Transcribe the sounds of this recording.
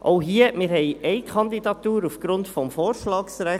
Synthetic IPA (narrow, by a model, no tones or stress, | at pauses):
ʔʔoʊɦiːəmɪːɾhɛɪʔɛɪkʰɑnd̪idɑt̪uːɾufɡ̥ɾʊndfɔmfoːɾʃlɑːksɾæ